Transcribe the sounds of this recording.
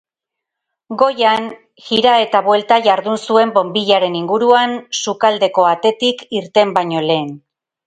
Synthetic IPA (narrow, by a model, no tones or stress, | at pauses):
ɡo̞jan | xiɾae̞t̪aβwe̞lt̪aʝaɾðunsue̞mbo̞mbiʎaɾe̞niŋɡuɾuansukald̪e̞ko̞at̪e̞t̪ikiɾt̪e̞mbaɲo̞le̞ːn